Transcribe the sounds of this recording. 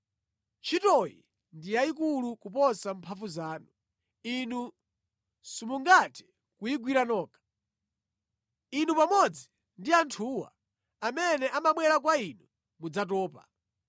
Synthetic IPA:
t͡ʃʰitɔjḭ | ndijaikulukupɔsampʰafuzaːnu | inu | simuŋɡatɛ̥ | kuiɡwiɾanɔːkḁ | inupamɔd͡zi | ndiantʰuːwa̰ː | mɛnɛʔamaɓwɛɾak̬wainu | mud͡zat̬ɔːpa̰

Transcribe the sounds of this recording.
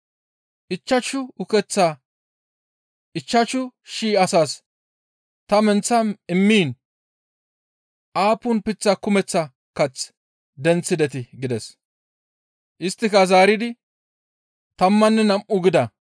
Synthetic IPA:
ʔɪt͡ʃːɐt͡ʃːʊʊkɛt͡sːaː | ʔɪt͡ʃːɐt͡ʃːʊʃiːɐsaːs | t̪ɐmɛnt͡sːɐnɪmːiːn | ʔaːpʊnpɪt͡sːakʊmɛt͡sːɐ | kɐt͡s | d̪ɛnt͡sːɪd̪ɛt̪ɪɡɪd̪ɛs | ʔɪst̪ːɪkɐzaːɾɪd̪ɪ | t̪ɐmːɐnːɛnɐmʔʊɡɪd̪ɐ

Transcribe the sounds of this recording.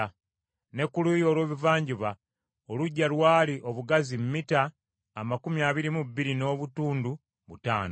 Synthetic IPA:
ne̞kːulujo̞ːlwe̞ːβivaːɲɟuβa | oluɟːalwaːliʔo̞βuɡazimmitaː | makumiaːβiɾimubːiɾino̞ːβutuːndu | βuta̰ːno

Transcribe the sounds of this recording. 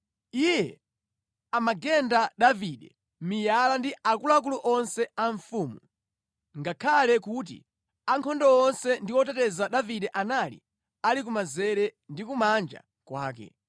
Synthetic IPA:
ijɛ | amaɡɛndaɗaviɗɛ | mijalandiakulak̬uluʔɔnsɛaɱfuːmu | ŋɡakʰalɛkuːt̬ḭ | aŋkʰɔndɔɔnsɛndiwɔtɛtɛzaɗaviɗɛʔanalḭ | alik̬umazɛɾɛndikumand͡ʒa̰ | kwaːk̬ɛ̰

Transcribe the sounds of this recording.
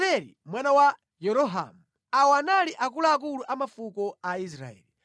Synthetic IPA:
ɛɾḭmwanawa | jɛɾɔɦa̰mu | awɔanaliʔak̬ulaːk̬uluʔamafukɔais̬ɾa̰ɛ̰ːli

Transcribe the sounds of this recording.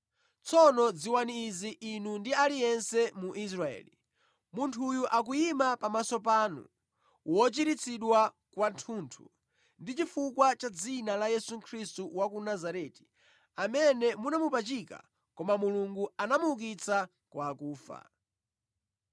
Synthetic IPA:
t͡sɔnɔd͡ziwaniːziʔinundialijɛnsɛmuʔis̬ɾaɛ̰ːli | muntʰujuʔak̬ujimapamasɔp̬aːnṵ | wɔt͡ʃiɾit͡sʰiɗwa | kwantʰuntʰṵ | ndit͡ʃifukwat͡ʃad͡zinalajɛsukʰɾistuwakunazaɾɛti̥ | amɛnɛmunamupat͡ʃika̰ | kɔmamuluŋɡuanamuuk̬it͡sa | kwaːkuːfa̰

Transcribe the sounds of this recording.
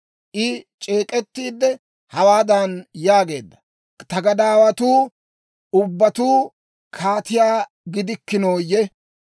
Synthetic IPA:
ʔɪt͡ʃʼeːkʼɛt̪ːiːd̪ːɛ | hɐwaːd̪ɐnjaːɡe̞ːd̪ːɐ | t̪ɐɡɐd̪aːwɐt̪uː | ʊbːɐt̪uː | kʰaːt̪ɪjaː | ɡɪd̪ɪkːɪnoːjːɛ

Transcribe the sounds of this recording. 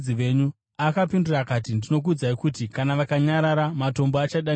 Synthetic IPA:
iʋe̞ɲu | akapindurakat̬indino̞k̬ud͡zaikutikanaʋakaɲaɾaɾamato̞mboat͡ʃaɗa

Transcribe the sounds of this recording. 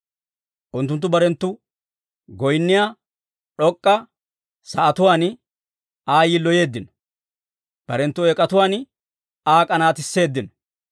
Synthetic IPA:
ʔʊnt̪ːʊnt̪ːʊbɐɾɛnt̪ːʊ | ɡɔjnːɪjaː | ɗɔkʼːɐ | sɐʔɐt̪ʊwaːn | aːjɪlɔje̞ːd̪ːɪn | b̥ɐɾɛnt̪ːʊɛkʼɐt̪ʊwaːn | aːkʼɐnaːt̪ɪsːe̞ːd̪ːɪnɔ̥

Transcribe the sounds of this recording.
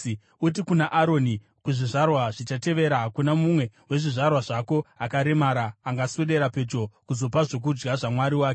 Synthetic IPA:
ut̬ikunaʔaɾo̞ni | kuʐiʐarwaʐit͡ʃate̞ʋe̞ɾaɦakunamumwe̞we̞ʐiʐarwaʐako̞akaɾe̞maɾaːŋɡasweɗe̞ɾape̞d͡ʒo̞kuzo̞paʐo̞k̬ud͡ʒɡaʐamwaɾiwaːke

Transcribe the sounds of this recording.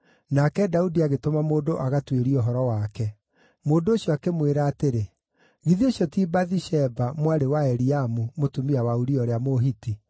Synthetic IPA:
nakɛdaudiaɣetomamoːdoʔaɣatweɾiɔɦɔɾɔwakɛ | moːndoːɕjɔakemweɾaːteɾe | ɣiðioɕjɔtiːbaðiʃɛbamwaɾewaɛɾiamumotumiawauɾiɔɾeamoɦiti

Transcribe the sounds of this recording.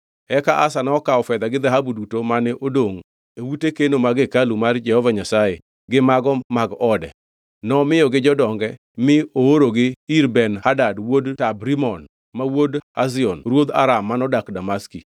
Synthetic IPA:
ɛkaʔasanɔkaɔfɛd̪aɡɪd̪aɦabudutomanɛʔodoŋ | ewutekenomaɡɪkalumard͡ʒɛhɔvaɲasajḛ | ɡɪmaɡɔmaɡɔdɛ̰ | nɔmɪjɔɡɪd͡ʒɔdɔŋɡɛ | mɪooɾoɡɪiɾbɛnhadadwodtabɾimɔn | mawodazɪɔnɾwod̪a̰ɾamːanɔdakdamaski

